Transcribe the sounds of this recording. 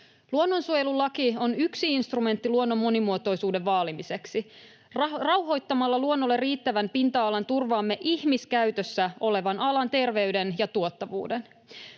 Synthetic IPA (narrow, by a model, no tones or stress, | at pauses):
luo̞nːo̞nsuojelulːɑkio̞nyksiinst̪rume̞nt̪ːiluo̞nːo̞mːo̞nimuo̞t̪o̞jsuːde̞ʋʋɑːlimise̞ksi | rrɑwɦo̞jt̪ːɑmɑlːɑluo̞nːo̞lːerːiːt̪ːæʋæmpint̪ɑːlɑnt̪urʋɑːmːe̞ʔihmiskæɥt̪øsːæo̞le̞ʋɑnɑlɑnt̪e̞rʋe̞yde̞njɑt̪uot̪ːɑʋṵːden